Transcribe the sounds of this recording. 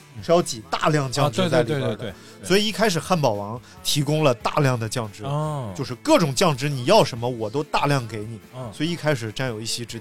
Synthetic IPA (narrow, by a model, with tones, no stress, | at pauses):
ʂɑ˥ʊt͡ɕi˨˩t̪a̰˥˧ljɑ˥˧ŋt͡ɕjɑ˥˧ʈ͡ʂɻ̩˥˧a˥˧˩l | swɔ˧˥i˨˩i˥˩kʰa˥ɪʂ̬ɻ̩˨˩xa˥˩npɑ˨˩ʊwɑ˧˥ŋ | t̪ʰi˧˥kʊ˥ŋlə˨t̪a̰˥˧ljɑ˥˩ŋd̪ə˩t͡ɕjɑ˥˩ŋʈ͡ʂɻ̩˥t͡ɕo˥˧ʊʂɻ̩˥˧kɤ˥˩ʈ͡ʂʊ˨˩ŋt͡ɕjɑ˥˩ŋʈ͡ʂɻ̩˥ni˨˩jɑ˥˩ʊʂə˧˥nmə˧wɔ˨˩t̪o˥ʊt̪a˥˧ljɑ˥˩ŋke˧˥ɪni˨˩˦swɔ˧˥i˨˩i˥˩kʰa˥ɪʂɻ̩˨˩ʈ͡ʂa˥˩njo˨˩ʊi˥˩ɕjɛ˥ʈ͡ʂɻ̩˥˧˩